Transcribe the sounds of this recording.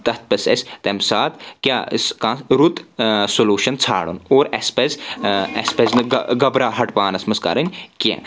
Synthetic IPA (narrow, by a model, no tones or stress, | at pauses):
t̪ɐt̪̚pɐsɐ̰sʲt̪emsaːt̪kʲjaːskãːɾut̪solʲuːʃɐnt͡sʰa̰ːɽṵnoːɾɐ̰spezɛspeznɨɡɡɐbɾaːɦɐʈpaːnɐsmɐska̰ːɾɐnʲkiḛ̃ː